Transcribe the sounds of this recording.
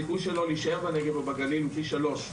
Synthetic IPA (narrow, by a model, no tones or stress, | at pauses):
ikujʃelo̞liiʃaeʁbeneɡevabaɡalilfiʃalo̞ʃ